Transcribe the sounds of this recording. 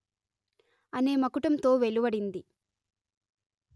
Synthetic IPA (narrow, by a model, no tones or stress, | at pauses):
ɐne̞ːmɐkuʈɐmt̪o̞ːʋe̞luʋɐɽind̪i